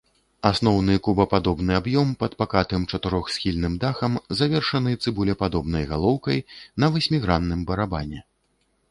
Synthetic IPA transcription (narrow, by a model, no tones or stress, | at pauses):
asnɔwnɨkubɐpad̪ɔbnɨabjɔmpɐt̪pakat̪ɨmt͡ʂɐt̪ɨɾɔxsxʲilʲnɨmd̪axɐmzavʲɛrʂɐnɨt̪sɨbulʲɛpad̪ɔbnɐjɣalˠɔwkɐjnɐvɨsʲmʲiɣɾanːɨmbɐɾabanʲɛ